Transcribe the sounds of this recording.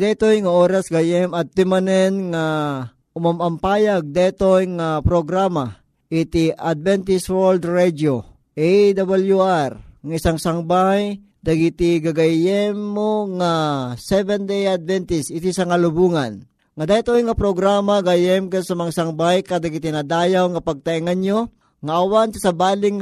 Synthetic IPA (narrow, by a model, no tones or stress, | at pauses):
d̪ɛt̪ojŋaoːɾasɡajɛmat̪̚t̪ɪmanɛnŋa | ʊmamɐmpaːjaɡ̚d̪ɛt̪ojŋapɾoɡɾama | ʔɪt̪iʔad̪̚vɛnt̪iswɛld̪ɹɛd͡ʒ̪jo | ʔɛjd̪abaljuaɾŋaisaŋsaŋbaj | d̪ɐɡit̪iɡɐɡɐjɛmːoŋasɛvɛnd̪ejad̪̚vɛnt̪ɪsɪt̪isɐŋɐlʊbuːŋan | ŋad̪at̪ojŋɐpɾoɡɾaːmaɡajɛmkasɐmaŋasɐŋbajkad̪ɐɡit̪ɪnad̪aːjawŋɐpɐɡ̚t̪ɐʔiŋɐɲjo | ŋaʔɐwant̪isɐbaːlɪŋ